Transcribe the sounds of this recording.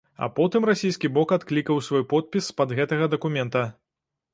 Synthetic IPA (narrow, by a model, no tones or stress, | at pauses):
ɐ̰pɔt̪ɨmrasʲijskʲibɔkat̪klʲikɐwsvɔjpɔt̪̚pʲispɐd̪ɣɛt̪ɐɣɐd̪ɐkumʲɛnt̪ɐ